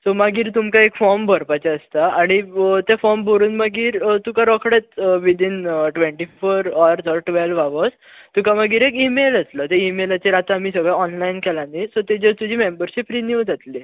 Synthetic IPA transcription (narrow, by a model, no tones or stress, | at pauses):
sɔmaɡiːɾt̪umkaekfɔɾmbʱəɾpat͡ɕaəst̪aaɽ̃it̪efɔɾmbʱoɾuːnməɡiːɾt̪ukaɾɔkʰɽet̪ʋid̪iːnʈʋẽɳʈifoɾɔɾt̪ɔɾʈʋɛlʋaʋəs | t̪ukaməɡiːɾekimeləslət̪eimelat͡ɕeɾat̪amiːsəɡɭɛɔnlainkɛlãnisɔt̪ed͡ʑət̪ud͡ʑʱiːmembəɾɕipɾinjud͡zʱat̪li